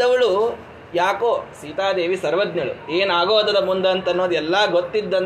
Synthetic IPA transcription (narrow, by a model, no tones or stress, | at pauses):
ɐʋɐɭu | jaːkoːsiːt̪aːd̪eːʋisɐɾʋɐd̪ɲɐɭṵeːnaːɡoːd̪ɐd̪ɐmund̪ɐːnt̪ɐnːo̞ːd̪ɛlːɐːɡot̪ːid̪ːɐn